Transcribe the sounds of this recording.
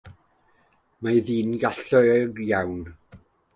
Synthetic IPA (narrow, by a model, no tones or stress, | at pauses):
maðiːnɡaɬɔɡjawn